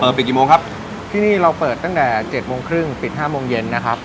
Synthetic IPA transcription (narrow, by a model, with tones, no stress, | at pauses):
pəː˨˩t̪̚i˨˩t̪̚ki˨˩moː˧ŋkʰp̚ | t̪ʰiː˥˩niː˥˩ɾa˧wpɤː˨˩t̪ːa˥˩ŋt̪ɛː˨˩t͡ɕe˨˩t̪̚moː˧ŋkʰɾɯ˥˩ŋpi˨˩t̪̚ɦaː˥˩moː˧ŋje˧nːa˦˥kʰɾa˦˥p̚